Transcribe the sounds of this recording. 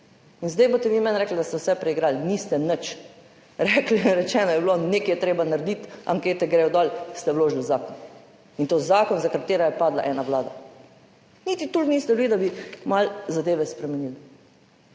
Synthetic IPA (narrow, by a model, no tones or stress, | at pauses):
inzd̪ajbot̪ɛʋimɛnɾɛkl̩d̪ast̪ɛwsɛpɾɛiɡɾaːlnist̪ɛnət͡ʃ | ɾɛklinɾɛt͡ʃɛːnɔjɛblonekijɛt̪ɾeːbanaɾd̪it̪a̰ŋkeːt̪ɛɡɾewd̪ɔlst̪ɛwloːʒilzaːkɔn | int̪oːzaːkɔnzakat̪eːɾajɛpaːd̪la̰ʔɛːnaʋlaːd̪a | nit̪it̪ulnist̪ɛblid̪abimalzad̪eːʋɛspɾɛmɛnil